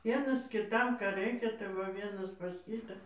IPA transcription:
ˈʋʲiɛnɐs kʲɪˈtɐm ˈkɑː ˈrɐɪkʲɛ tɐɪ ˈʋɐ ˈʋʲiɛnɐs pɐs ˈkʲiːtɑː

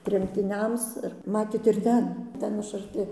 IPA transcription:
tʲrʲɛmʲtʲɪˈnʲɛms ɪr ˈmɑːtʲeːt ɪr ˈtʲɛn ˈtʲɛn ɐʃ ɐrʲˈtʲɪ

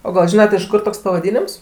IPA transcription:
oː ɡɐlˠ ˈʒʲɪnɐt ɪʃ ˈkʊr toːks pɐʋɐˈdʲiːnʲɪms

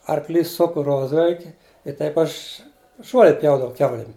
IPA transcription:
ɐrkˈlʲiːs ˈsʊkʊ ˈroːzʲʋʲɛlʲkʲɪ ɪ ˈtɐɪp ˈɐʃ ˈʒuɔlʲɛ ˈpʲjɛʊdɐʋɐʊ ˈkʲɛʊlʲɪm

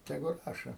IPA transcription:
tʲɛˈɡʊ ˈrɑːʃoː

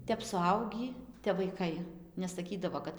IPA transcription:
ˈtʲɛp sʊˈɐʊɡʲiː tʲɛp ʋɐɪˈkɐɪ nʲɛsɐˈkʲiːdɐʋoː ˈkɐt

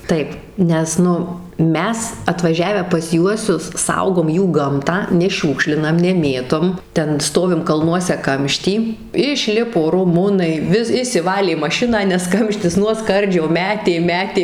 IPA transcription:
ˈtɐɪp ˈnʲɛs ˈnʊ ˈmʲɛs ɐtʋɐˈʒʲæːʋʲæː pɐs ˈjuɔsʲʊs ˈsɐʊɡoːm ˈjuː ˈɡɐmtɑː nʲɛˈʃʲuːkʃʲlʲɪnɐm nʲɛˈmʲeːtoːm ˈtʲɛn ˈstoːʋʲɪm kɐlˠˈnuɔsʲɛ ˈkɐmʲʃʲtʲiː ɪʃʲˈlʲɪpoː rʊˈmʊnɐɪ ˈʋʲɪs ɪʃʲsʲɪˈʋɑːlʲeː mɐˈʃʲɪnɑː nʲɛs ˈkɐmʲʃʲtʲɪs nuɔ ˈskɐrʲd͡ʒʲoː ˈmʲæːtʲeː ˈmʲæːtʲeː

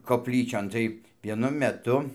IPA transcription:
koːpʲˈlʲiːt͡ʃʲoːn tɐɪ ʋʲiɛˈnʊ mʲɛˈtʊ

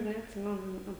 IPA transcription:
nʲɛɐtʲˈsʲɪmʲɛnʊ ˈnʲɛɐ

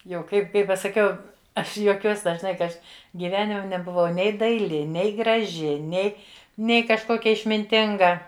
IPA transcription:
jɛʊ ˈkɐɪp ˈkɐɪ pɐsɐˈkʲɛʊ ˈɐʃ juɔˈkʲuɔs dɐʒˈnɐɪ kɐ ˈɐʃ ɡʲiːˈʋʲæːnʲɪmʲɛ nʲɛbʊˈʋɐʊ ˈnʲɛɪ dɐɪˈlʲɪ ˈnʲɛɪ ɡrɐˈʒʲɪ ˈnʲɛɪ ˈnʲɛɪ kɐʃˈkoːkʲɛ ɪʃʲmʲɪnʲˈtʲɪŋɡɐ

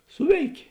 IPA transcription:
ˈsʊʋʲɛɪkʲeː

